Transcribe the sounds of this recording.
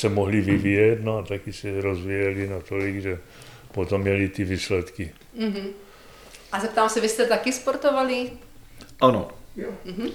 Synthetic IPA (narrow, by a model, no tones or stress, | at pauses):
sɛmoɦliʋivijɛtnoat̪akisɛɾozʋijɛlinat̪oliɡʒɛ | pot̪omːɲɛlit̪iviːslɛt̪ki | ɦ̩ | ʔazapt̪aamsɛʋistɛt̪akispoɾt̪ɔʋali | ano̰m̩ɦ̩